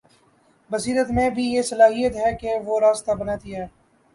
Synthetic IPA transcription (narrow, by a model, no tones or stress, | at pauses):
bəsiːɾət̪mẽbʱijeːsəlaːɦijət̪ɦɛːkeʋoːɾaːst̪abənaːt̪iɦɛː